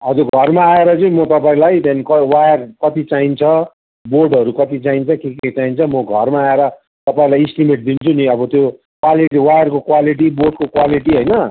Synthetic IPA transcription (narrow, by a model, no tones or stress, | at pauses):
ɦʌd͡zurɡʱʌrmaːeɾʌd͡zuĩmʌt̪ʌpaĩlajt̪anikʌwajʌrkʌt̪it͡saint͡sʰʌ | borɖʌɾukʌt̪it͡saint͡sʰʌkeket͡saint͡sʰʌmʌɡʱʌrmaːeɾʌ | t̪ʌpaĩlajisʈimeʈ̚d̪int͡sʰuniʌbʌt̪jo | kwaliʈiwajʌrkokwaliʈ̬iborɖkokwaliʈiɦʌjnʌ